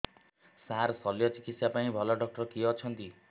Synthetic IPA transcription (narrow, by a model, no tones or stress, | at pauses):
saɾsɔljɔt͡ʃikit̪sjapaĩbʱɔlɔɖɔk̚ʈɔɾkiɔt͡ʃʰɔnt̪i